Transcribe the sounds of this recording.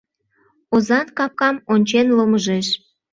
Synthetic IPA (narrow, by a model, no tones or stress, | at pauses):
ozɑnkɑp̚kɑmonʲt͡ɕenloməʒeʃ